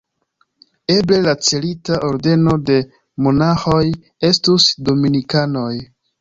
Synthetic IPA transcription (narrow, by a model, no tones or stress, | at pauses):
e̞ble̞lat͡se̞litaʔo̞ɾde̞no̞de̞ | mo̞naxo̞j | e̞stusdo̞minikano̞j